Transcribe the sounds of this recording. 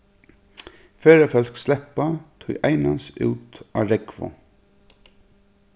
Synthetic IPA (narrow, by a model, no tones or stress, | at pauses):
feːɹafœl̥kslɛpat̪ʰʊjʔaɪnansʉ̰ːt̪a̰ːɹɛkvʊ̰